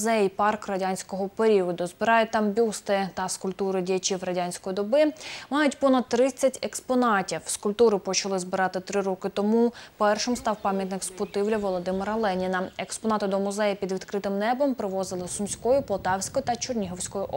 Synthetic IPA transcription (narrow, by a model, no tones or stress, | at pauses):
zɛjpɑrkrɐdʲanʲsʲkɔɦɔpeɾʲiɔd̪ʊzbɪɾɑjʊt̪ɑmbʲust̪ɪt̪ɐskʊlʲpt̪uɾɪdʲijɐt͡ʃʲiwrɐdʲanʲsʲkɔjid̪ɔbɪmɑjʊtʲpɔnɐd̪̚t̪ːɾɪt͡sʲːɐtʲekspɔnɑtʲiwskʊlʲpt̪uɾɪpɔt͡ʃɐlˠɪzbɪɾɑt̪ɪt̪ɾɪɾɔkɪt̪ɔmupɛrʃɪmst̪ɑwpɑmʲjɐt̪nɪkspʊt̪ɪwlʲɐʋɔlˠɔd̪ɪmɪɾɐlˠɛnʲinɐekspɔnɑt̪ɪd̪ɔmʊzɛjɐpʲid̪ʋʲid̪kɾɪt̪ɪmnɛbɔmpɾɪʋɔzɪlˠɪsʊmʲsʲkɔjʊpɔlˠt̪ɑwsʲkɔjʊt̪ɐt͡ʃʊrnʲiɦɔwsʲkɔjʊʔ